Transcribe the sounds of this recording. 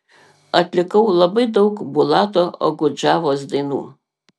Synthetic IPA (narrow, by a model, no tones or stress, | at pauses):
ɐt̪ʲlʲɪkɐʊlˠɐbɐɪd̪ɐʊkbʊlˠɑːt̪oːʔo̰ɡʊd͡ʒɑːʋoːsd̪ɐɪnṵː